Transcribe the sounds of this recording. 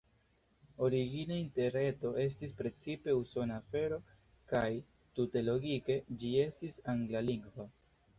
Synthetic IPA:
o̞ɾiɡinainte̞ɾe̞to̞ʔe̞s̬tispɾe̞t͡sipe̞uso̞naːfe̞ɾo̞ | kaj | tute̞lo̞ɡike̞d͡ʒie̞stisaŋɡlaliŋɡva

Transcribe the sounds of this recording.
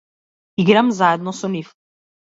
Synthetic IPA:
iɡɾamzaɛd̪̚nɔsɔnif

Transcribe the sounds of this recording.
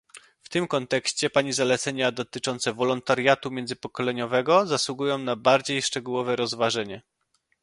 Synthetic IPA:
ft̪ɘmkɔnt̪ɛkɕt͡ɕɛpaɲizalɛt̪sɛɲad̪ɔt̪ɘt͡ʂɔnt̪sɛvɔlɔnt̪aɾjat̪umʲjɛndzɘpɔkɔlɛɲɔvɛɡɔzaswuɡujɔ̃w̃nabaɾd͡ʑejʂt͡ʂɛɡuwɔvɛɾɔzvaʐɛɲɛ

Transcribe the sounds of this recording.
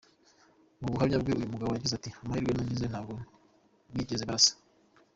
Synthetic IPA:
muβuhamɲabɡeʔujumuɡaβojaɡizatiamahiɾɡwenaɲɟizenhaːɡo | wiɟezeβasḁ

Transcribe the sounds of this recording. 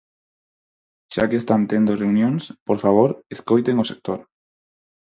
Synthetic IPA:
ʃa̰kest̪ant̪end̪oreunjõŋspoɾfaβ̞oɾeskojt̪eŋʊsek̚t̪oɾ

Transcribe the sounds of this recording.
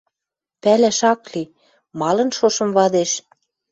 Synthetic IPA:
pælæʃɑkli | mɑlɤ̆nʃoʃɤ̆mβɑd̪eʃ

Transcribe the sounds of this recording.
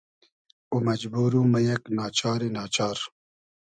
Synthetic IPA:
umɐd͡ʑbuːɾumɐjɐknɑːt͡ʃaːɾinɑːt͡ʃɑːɾ

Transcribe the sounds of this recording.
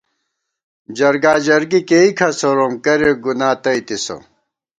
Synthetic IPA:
d͡ʑɐɾɡaːd͡ʑɐɾɡikeikʰɐsoɾomkɐɾeɡunaːt̪ɐit̪iso̰

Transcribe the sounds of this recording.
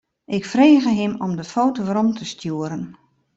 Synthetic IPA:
ʔɪkfreːɣəɦɪmɔmdəfoːtoʋəɾɔmtʰəstjuəɾən

